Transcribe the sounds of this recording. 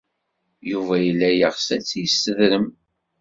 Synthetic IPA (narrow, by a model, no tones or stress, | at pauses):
juvæjəlːæjəʁsæt͡sːijsəðɾəm